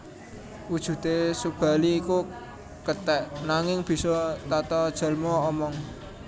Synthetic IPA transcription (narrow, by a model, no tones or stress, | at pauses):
wud̥ʒ̥ṳt̪esub̥a̤liːku | kət̪ɛʔnaŋɪŋb̥i̤sɔt̪at̪ɔd̥ʒ̥ə̤lmɔːmɔŋ